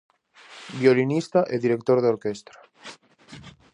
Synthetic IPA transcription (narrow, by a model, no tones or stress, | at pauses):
bjolinist̪aʔeðiɾek̚t̪oɾðeoɾkest̪ɾa